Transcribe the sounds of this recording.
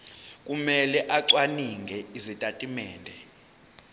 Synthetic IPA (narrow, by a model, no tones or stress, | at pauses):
k̬ʼumɛlɛʔaǀwaniŋɡʱɛizitʼatʼimɛːndʱɛ